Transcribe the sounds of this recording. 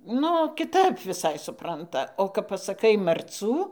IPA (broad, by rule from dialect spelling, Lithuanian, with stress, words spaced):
ˈnʊ kʲɪˈtɐp ʋʲɪˈsɐɪ sʊˈprɐntɐ oː kɐp pɐsɐˈkɐɪ mɐrˈt͡suː